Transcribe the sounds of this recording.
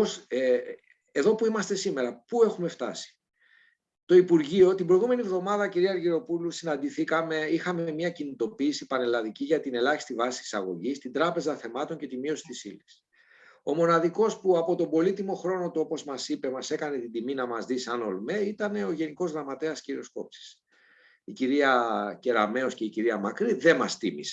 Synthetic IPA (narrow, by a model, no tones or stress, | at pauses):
os | e̞ðo̞puimɐst̪e̞sime̞ɾɐpue̞xume̞ft̪ɐ̰si̥ | t̪o̞ipuɾʝio̞t̪imbɾo̞ijɣume̞nivðo̞mɐðɐciɾiɐɾʝiɾo̞pulusinɐnd̪iθikɐme̞ixɐme̞mɲɐcinit̪o̞piːsipɐne̞lɐðiciʝɐt̪ine̞lɐçi̥st̪ivɐsi̥t̪i̥sɐ̰ɣo̞̰ʝist̪ind̪ɾɐpe̞zɐθe̞mɐt̪o̞ɲce̞t̪imio̞si̥t̪isḭlis | o̞mo̞nɐðiko̞spuɐpo̞t̪o̞bo̞lit̪imo̞xɾo̞no̞t̪uo̞po̞zmɐsipe̞mɐse̞kɐne̞t̪id̪iminɐmɐzðisɐno̞̰lme̞it̪ɐne̞o̞ʝe̞niko̞zɣɾɐmɐt̪e̞ɐsciɾio̞sko̞̰psi̥s | iciɾiɐce̞ɾɐme̞o̞sce̞iciɾiɐmɐkɾiðe̞mɐst̪imise̥